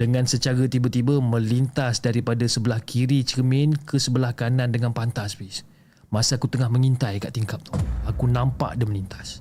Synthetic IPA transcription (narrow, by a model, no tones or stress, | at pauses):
d̥əŋãnsət͡ʃaɾət̪ibət̪ibəmə̃lint̪asdaɾipadasəbəlahkʰiɾit͡ʃəmɛnkəsəbəlahkanãndəŋanpant̪asbis | masəakut̪əŋahməŋint̪ajka̰ʔt̪iŋkap̚t̪uhakunãmpa̰ʔdəməlint̪ḁs